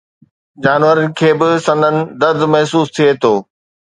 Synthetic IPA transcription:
d͡ʑaːnʋəɾənɪ̆kʰeːbɪsɐ̃nd̪ənɪ̆d̪ɐɾd̪mɐɦsuːst̪ʰiet̪ʰoː

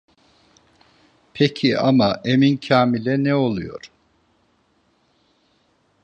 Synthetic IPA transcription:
pʰecʰiʔamaʔemincʰaːmilʲɛnɛo̞lˠujo̞̰ɾ̥

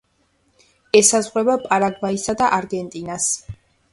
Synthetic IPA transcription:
ɛsazʁwɛbapʼaɾaɡvaisad̪aʔaɾɡɛnt̪ʼinas

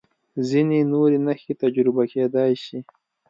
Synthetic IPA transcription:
zinenoɾenaxet̪ad͡ʒɾɪbaked̪ɑjʃi

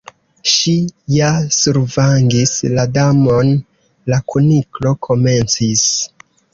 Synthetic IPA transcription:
ʃijasuɾvaŋɡisladamo̞n | lakʰuniklo̞kʰo̞me̞nt͡sis

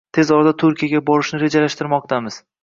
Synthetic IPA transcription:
t̪ʰe̞zɒɾad̪at̪ʰʊɾkʲʰijaɡʲabɒɾɪʃnɪɾe̞d͡ʒalaʃt̪ɪɾmɒq̚t̪ʰamɪz̥

